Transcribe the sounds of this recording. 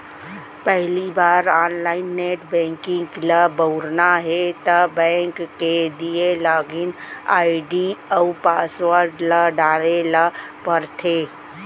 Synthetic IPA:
pɛɦlibaːɾaːnlaːɪnːeːʈbɛ̃ːŋkɪ̃ŋklabəʊɾnaɦet̪əbɛ̃ːŋkːed̪ielaːɡɪna̰ːɪɖiəpaːsʋəɾɖlaɖaːɾelapəɾt̪ʰeː

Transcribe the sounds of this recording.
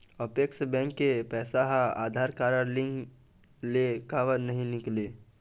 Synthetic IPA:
əpekʃbɛ̃ŋkːepɛːsaɦaa̰ːd̪ʱaːɾkaːɾəɾlɪ̃ŋ | lekaːʋəɾnəɦĩnɪkle

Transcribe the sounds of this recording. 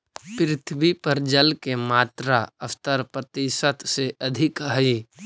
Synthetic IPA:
pɾɪt̪ʰbipɐɾd͡ʒəlkemaːt̪ɾaɐft̪əɾpɾət̪iʃət̪ʰseɐd̪ʱɪkɦəi

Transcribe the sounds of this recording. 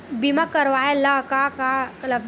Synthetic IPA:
bimakəɾʋajɛlakakalə

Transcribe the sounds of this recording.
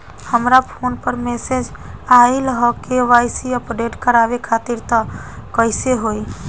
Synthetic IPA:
həmɾapʰoːnpəɾmɛːsed͡ʒaːiləɦɔkeʋaːjsiəpɖeːʈkəɾaːʋekʰaːt̪iɾt̪əkəɪseɦoːi

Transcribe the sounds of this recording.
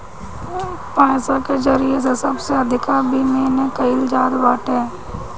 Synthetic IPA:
pãːsakezəɾijes̬esɐbseəd̪ʱɪkabʱimeːnẽkəɪld͡ʒaːd̪ʋaːʈe

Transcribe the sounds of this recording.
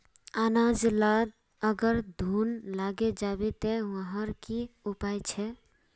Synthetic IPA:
anad͡ʒlad̪ | əɡəɾd̪ʱunlaɡed͡ʒabet̪eʋəɦəɾkiupajt͡ʃʰɛ

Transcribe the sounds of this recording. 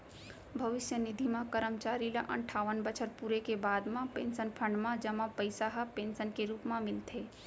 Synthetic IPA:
bʱəʋɪʃjənɪd̪ʱimãkəɾəmt͡ʃaːɾila̰ʔə̰̃ɳʈʰaːʋənbət͡ʃʰəɾpuɾekebaːd̪mãpẽːnsənpʰə̃ɳɖmãd͡ʒɐmãpəɪsaɦəpẽːnsənkeɾuːpmãmɪlt̪ʰeː

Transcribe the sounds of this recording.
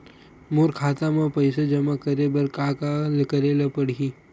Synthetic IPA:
moːɾkʰaːt̪amãpəɪsed͡ʒɐmakəɾebəɾkakalkəɾeləpəɽi

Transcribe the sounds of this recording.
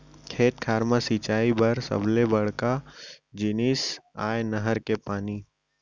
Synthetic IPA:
kʰeːt̪kʰaːɾmasiːt͡ʃaːibəɾsə̰blebəɽkad͡ʒɪnisaːenəɦəɾkepaːniː

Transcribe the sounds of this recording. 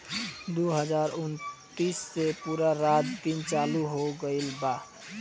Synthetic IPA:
d̪oɦəzaːɾʊnt̪iːsːepuːɾaɾaːt̪̚d̪int͡ʃaːluɦoɡəilbaː

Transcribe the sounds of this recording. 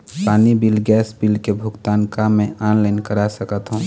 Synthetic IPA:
paːnibilɡɛːsbilkebʱʊɡt̪aːnkamẽʔaːnlaːɪnkəɾasəkət̪ɦũ

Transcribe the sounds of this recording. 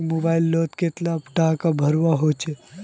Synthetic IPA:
mobaɪlːɔt̪ket̪lapʈakabʱəɾwaɦot͡ʃʰɛ

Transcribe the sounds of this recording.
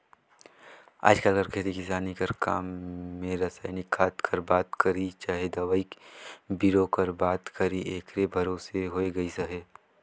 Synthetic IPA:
a̰ːd͡ʒkəlɡɐɾkʰeːt̪ikɪsaːnikɐɾka̰ːmːẽɾɐsaːɪnɪkʰːaːt̪kʰɐɾbaːt̪kɐɾit͡ʃaːɦed̪ɐʋaːikbiɾokɐɾbaːt̪kɐɾiʔeːkɾebʱɐɾoːseɦoːeɡɐisɐɦeː

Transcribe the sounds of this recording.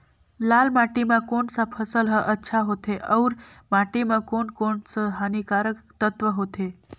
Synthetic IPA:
lalmaʈimãkoɳsapʰəsəlɦəʔətːʃʰaɦot̪ʰeʔəwɾ | maʈimãkoɳkoɳsəɦanikaɾəkt̪ət̪ʋəɦot̪ʰe

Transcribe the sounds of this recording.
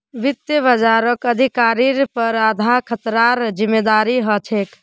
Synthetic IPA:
ʋit̪jəbəd͡ʒaɾəkəd̪ʱikaɾiɾpəɾad̪ʱakʰət̪ɾaɾd͡ʒimːed̪aɾiɦət͡ʃʰek

